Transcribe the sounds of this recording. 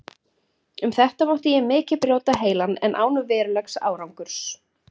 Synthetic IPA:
ʏmθɛht̪amawht̪ɪjɛmɪːcɪpɾjoːwt̪aɦeːjlanːɛ̰nʔa̰ːwnʏvɛːɾʏlɛksa̰ːwɾawŋkʏɾ̥s

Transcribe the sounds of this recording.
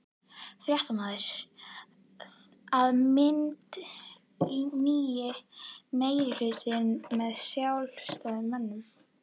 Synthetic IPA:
fɾjaht̪amaːðɪɾ̥ | aðmɪnt̪ | iniːjɪmeːjɾɪlʏːt̪ɪnmɛðsjawl̥st̪aðɪmmɛnːʏm

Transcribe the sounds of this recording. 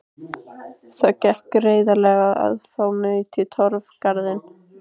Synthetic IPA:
θacɛhkreːjðalɛɣaa̰ðθawmʏɥt̪ʰɪlt̪ʰɔɾv̥kaɾðɪn

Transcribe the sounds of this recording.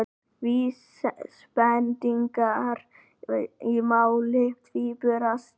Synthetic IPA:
vis | spɛnt̪iŋkaɾ | imawlɪft̪vipʏɾas

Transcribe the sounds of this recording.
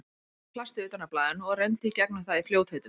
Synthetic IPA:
pʰlast̪ɪʏːt̪anːaplaːðɪnɔɣrɛnt̪ɪicɛknʏθaðifljoːwt̪hœɥt̪ʏ

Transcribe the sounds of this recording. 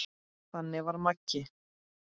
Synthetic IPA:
θanːɪvaɾmacːɪ

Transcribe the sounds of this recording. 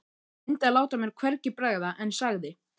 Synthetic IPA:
ɪnt̪alaːwt̪amjɛɾ̥kʰvɛɾcɪpɾɛɣðaʔɛnsaɣðɪ

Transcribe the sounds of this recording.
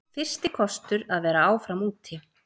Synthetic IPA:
fɪr̥st̪ɪkʰɔst̪ʏɾaðvɛːɾaaːwfɾamuːt̪ʰɪ

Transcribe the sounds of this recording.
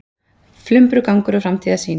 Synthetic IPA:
flʏmpɾʏkawŋkʏɾʏfɾamt̪ʰiːðasiːn

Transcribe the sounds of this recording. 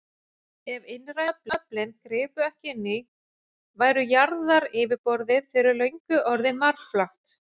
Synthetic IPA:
ɛvɪnɾaplaplɪnkɾɪːpʏɛhcɪnːɪ | vaːjɾʏjaɾðaɾɪːvɪpɔɾðɪðfɪːɾɪlœɥɲkʏʔɔɾðɪmaɾflaht̪

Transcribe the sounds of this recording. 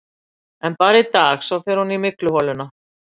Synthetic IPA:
ɛnpaːɾait̪aːxsawθɛɾ̥hunimɪklʏhɔlʏna

